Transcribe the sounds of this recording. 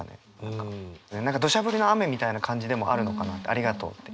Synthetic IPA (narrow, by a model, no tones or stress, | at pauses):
anḛ | nãŋkanenãŋkad̪o̞ɕabɯ̟ɾʲino̞ame̞mʲit̪ainakʰãɲ̟d͡ʑid̪e̞mo̞ʔa̰ɾɯ̟no̞kanat̪ːḛaɾʲiɡat̪o̰ːt̪ːe